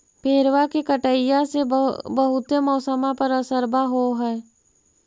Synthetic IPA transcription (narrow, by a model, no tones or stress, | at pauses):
pʰeːɾwakekəʈəjasebəɦʊt̪emɔːsəmapəɾəsəɾbaɦoɦɛː